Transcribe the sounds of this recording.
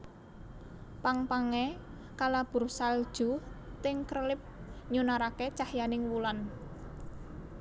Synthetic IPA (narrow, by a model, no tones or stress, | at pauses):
paŋpaŋe | kalab̥ṳrsald̥ʒ̥ṳt̪ɪŋkrəlɪp̚ɲunaɾaket͡ʃahjanɪŋwulan